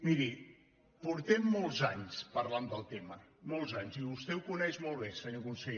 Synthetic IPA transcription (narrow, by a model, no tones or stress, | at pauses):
miɾi | puɾt̪ɛmːɔlˠzaɲspəɾland̪əlˠt̪eməmɔlˠzaɲziβust̪ɛukunɛʒmɔlˠβesəɲokunsəʎe